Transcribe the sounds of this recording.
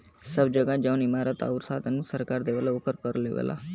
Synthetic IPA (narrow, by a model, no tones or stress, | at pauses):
səbd͡ʒəɡãːd͡ʒəʊnɪmaːɾət̪a̰ːuɾsaːd̪anũːsəɾkaːɾd̪eːʋəlaʊkəɾkəɾlḛːʋə̰la̰ː